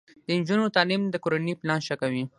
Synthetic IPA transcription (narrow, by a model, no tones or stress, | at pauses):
d̪̥ənd͡ʒunot̪ɑlimd̪əkoɾaniplɑnʃakawi